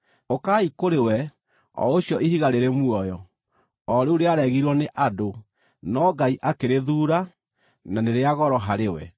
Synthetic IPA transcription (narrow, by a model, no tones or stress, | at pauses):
okaikoɾewɛ | ɔ̰oɕjɔihiɣaɾeɾemwɔjɔ | ɔɾeuɾeaɾɛɣiɾwɔneʔado | nɔɡaiʔakeɾeðuːɾa | naneɾeaɣɔɾɔɦaɾewɛ